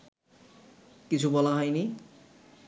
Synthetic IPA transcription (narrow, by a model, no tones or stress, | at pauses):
kit͡ɕʰubɔlaɦɔjni